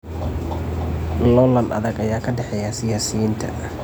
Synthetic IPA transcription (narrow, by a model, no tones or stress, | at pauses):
lɔlɐnɐ̰ðɐɡɐjaːkʰɐɖɛħɛjasɪjaːsɪjiːnt̪ʰɐ̰